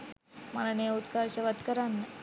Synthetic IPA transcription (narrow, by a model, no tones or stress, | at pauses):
malaneut̪kaɕəʋat̪kəɾanːe